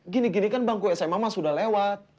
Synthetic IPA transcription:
ɡiniɡinikanbaŋkujasajamamasudahlewat̪̚

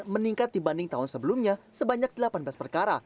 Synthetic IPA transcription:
məniŋkat̪̚dibandɪŋt̪aɦʊnsəbəlumɲasəbaɲak̚dəlapanbaspərkaɾa̰

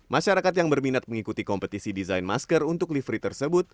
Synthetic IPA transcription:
maʃaɾakat̪̬jaŋbərminat̪̚məŋikut̪ikɔmpət̪isidizajnma̰skərunt̪ʊklifɾit̪ərsəbʊt̪̚

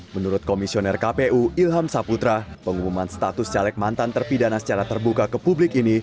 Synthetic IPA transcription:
mənuɾʊt̪̚komisionɛrkapeʔuilɦamsaput̪ɾapəŋumumanst̪at̪ʊst͡ʃalɛk̚mant̪ant̪ərpidanasə̥t͡ʃaɾat̪ərbukakəpublɪkini

